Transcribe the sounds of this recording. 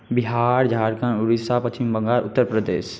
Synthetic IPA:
bɪɦaːɾd͡ʒʱaːɾkãnʊɾisapɐt͡ʃɪmbə̃ŋɡaːɾʊ̰t̪ːəɾpɾəd̪eːʃ

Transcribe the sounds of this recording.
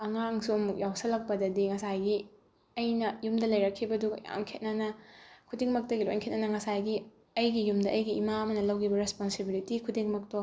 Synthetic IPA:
ɐŋaŋsumjawsɐlɐk̚pɐdɐdiŋɐsajɡi | ɐjnɐjumdɐlɐjɾɐkʰːibɐduɡja̰mkʰet̚nɐnɐkʰudiŋmɐk̚tɐɡilojnkʰet̚nɐnɐŋɐsajɡi | ɐjɡijumdɐʔɐjɡiːmaɐmɐnɐlɐwkʰibɐɾesponsebilitikʰudiŋmɐk̚to

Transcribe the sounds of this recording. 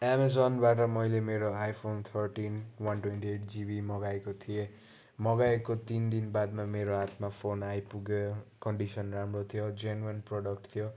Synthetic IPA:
emad͡zonbaʈ̬ʌmʌjlemeɾoajpʰont̪ʰʌrʈinwʌnʈwenʈieʈʰd͡zibimʌɡaekot̪ʰije | mʌɡaekot̪ind̪inbad̪mameɾoat̪mapʰonajpuɡejkʌɳɖisʌnramrot̪ʰijod͡zenuenprɔɽʌkʈt̪ʰijo

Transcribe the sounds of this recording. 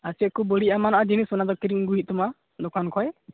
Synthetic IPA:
asɛt̚kubəɽiamanaʔad͡ʒinisɔnad̪ɔkiɾiŋɡuɦit̪̚t̪uma | d̪ɔkankʰɔɛ

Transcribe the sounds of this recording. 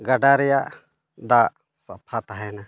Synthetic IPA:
ɡaɖaɾja | d̪a | sapʰat̪aɦɛna

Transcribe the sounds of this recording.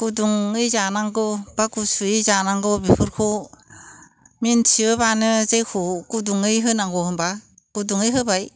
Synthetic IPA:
kuduŋɯjzanaŋɡɯb̥akusuizanaŋɡɯbipʰɯɾkʰo | mintʰiɯbanɯzejkʰokuduŋɯjɦɯnaŋɡɔhɯmba | kuduŋɯjɦɯbaj

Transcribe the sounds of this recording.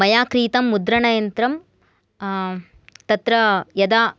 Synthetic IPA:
mɐjaːkɾiːt̪ɐmːud̪ɾɐɳɐjɐnt̪ɾɐm | t̪ɐt̪ɾɐjɐd̪aː

